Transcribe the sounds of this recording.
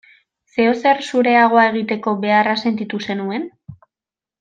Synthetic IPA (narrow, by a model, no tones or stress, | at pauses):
se̞ose̞ɾsuɾe̞aɣ̞o̞ae̞ɣ̞it̪e̞ko̞βe̞arase̞nt̪it̪use̞nue̞n